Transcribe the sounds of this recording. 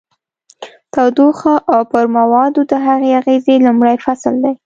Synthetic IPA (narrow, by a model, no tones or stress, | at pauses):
t̪awd̪uxaʔawpəɾmawɑd̪od̪əɦaɣeaɣezelʊmɽajfasld̪aj